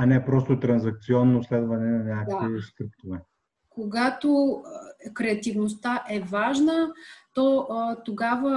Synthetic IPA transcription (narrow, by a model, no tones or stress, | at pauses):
ɐnɛpɾɔst̪ot̪ɾɐnzɐk̚t̪siɔnːoslɛd̪vɐnɛnɐnʲakaisk̪ɾipt̪ovɛ | koɡat̪o | kɾɛɐt̪ivnost̪aʔɛvaʒnət̪ɔt̪oɡavə